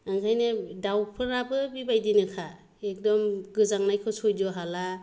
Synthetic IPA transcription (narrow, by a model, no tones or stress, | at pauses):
ɯŋkʰajnɯdawpʰɯɾabɯbibajdinɯkʰa | ek̚dɔmɡɯzaŋnajkʰɔsɔjdɔɦala